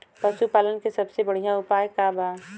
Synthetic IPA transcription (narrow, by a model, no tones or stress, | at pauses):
pɐʃupaːlənkesɐbsebɐɽ̤ijãʊpaːjkabaː